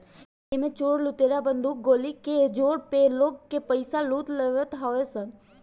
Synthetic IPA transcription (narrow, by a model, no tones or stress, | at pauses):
emẽt͡ʃoːɽlʊt̪eɾabə̃nd̪ʱuːk̚ɡoːliked͡ʒoːɽpeloːɡkepəɪsaluːt̪ləʋət̪ɦaʋesə